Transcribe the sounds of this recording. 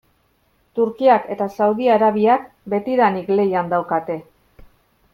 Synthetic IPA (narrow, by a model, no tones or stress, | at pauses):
t̪uɾkiake̞t̪asawðiaɾaβ̞iak | be̞t̪iɾanikle̞jand̪awkat̪e̞